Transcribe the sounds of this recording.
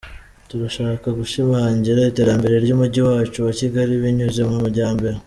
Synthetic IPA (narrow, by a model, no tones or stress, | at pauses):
tuɾaʃaːkaɡuʃimaːɲɟiɾaite̞ːɾambe̞ɾe̞ɾɟuːmuɟiwaːt͡ʃuwaciɡaɾiβiɲuze̞mumuɾɟaːmbe̞ɾe